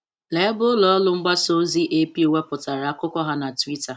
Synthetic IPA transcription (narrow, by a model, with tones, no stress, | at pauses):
le˨˦bʊ˦lɔ˨ɔ˦lʊ˦ŋ͡m̩˦ɡ͡ba˦so˦zi˦ʔe˦pi˦o˨we˦pʊ˨ta˨ɾa˨˦a˦kʊ˦kɔ˦ɦa˦na˨twi˦ta˨